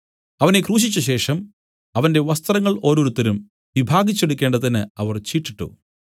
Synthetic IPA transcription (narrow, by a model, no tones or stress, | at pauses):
ɐʋɐne̞kruːɕ̬it͡ɕːuɕe̞ːʂɐm | ɐʋɐnde̞ʋɐst̪rɐŋːɐɭo̞ːɾoːɾut̪ːɐɾum | ʋibʱaːɡit͡ɕːe̞ɽukʲːe̞ːɳɖɐðinɨɐʋɐrt͡ɕiːʈːiʈːṵ